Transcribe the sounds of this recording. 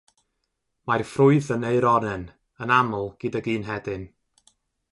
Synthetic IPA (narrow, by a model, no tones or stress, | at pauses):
marfrʊɨðənejɾɔnɛn | ənamʊlˠɡ̥ɨdaɡiːnɦɛdɪn